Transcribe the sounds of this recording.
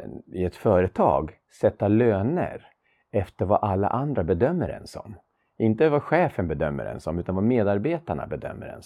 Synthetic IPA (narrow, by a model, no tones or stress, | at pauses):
ɪɛt̪fœːɾət̪ʰɑ̰ːɡ | sɛt̪ːaløːnə̰ɾ | ɛft̪əɾvaʔalːa̰ʔand̪ɾabɛd̪œmːəɾɛ̰nsɔ̰m | ɪnt̪əvaɧɛːfənbɛd̪œmːə̰ɾɛ̰nsɔmʉ̟ːt̪anvameːd̪aɾbeːt̪aɳa̰bɛd̪œ̰mːəɾɛ̰ns